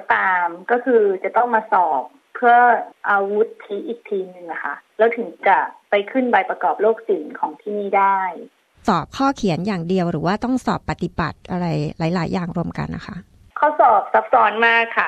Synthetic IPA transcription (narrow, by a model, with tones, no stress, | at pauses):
t̪aː˧mkɔː˥˩kʰɯː˧t͡ɕa˨˩t̪ɔ˥˩ŋmaː˧sɔː˨˩p̚ʰːɯ˥˩əʔaː˧wu˦˥t̪ʰːi˦˥ʔiː˨˩k̚t̪ʰiː˧nɯ˨˩ŋna˦˩kʰa̰˥˩lɛː˦˥wt̪ʰɯ˩˦ŋt͡ɕa˨˩pa˧jkʰɯ˥˩nba˧jpɾa˧kɔː˨˩p̚loː˥˩k̚si˩˦nkʰɔː˩˦ŋt̪ʰiː˥˩niː˥˩daː˥˩j | sɔː˨˩p̚kʰɔː˥˩kʰi˨˩˦ənjaː˨˩ŋdi˧əwɾɯː˩˦waː˥˩t̪ɔ˥˩ŋsɔ̰ː˨˩pːa˧t̪i˨˩ba˨˩t̪̚ʔa˧ɾa˧jlaː˩˦jlaː˩˦jːaː˨˩ŋɾu˧əmka̰˧nːʔa̰˦˥kʰa˦˥ʔ | kʰaː˥˩wsɔː˨˩p̚sa˦˥p̚sɔː˨˦˥nmaː˥˩kʰːa˥˩